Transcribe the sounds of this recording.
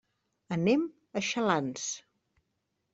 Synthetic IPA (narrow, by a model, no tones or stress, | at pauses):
ənem | əʃəlans